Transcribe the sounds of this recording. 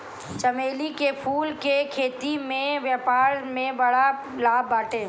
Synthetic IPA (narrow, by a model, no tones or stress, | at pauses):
t͡ʃɐmeːlikepʰuːlkekʰeːt̪imẽʋjapaːɾmẽbɐɽa | laːbːaːʈẽː